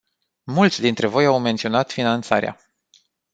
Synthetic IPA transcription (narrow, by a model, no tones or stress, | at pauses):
mult̪sʲd̪int̪ɾe̞vo̞jawme̞nt̪sio̞nat̪finant̪saɾea̰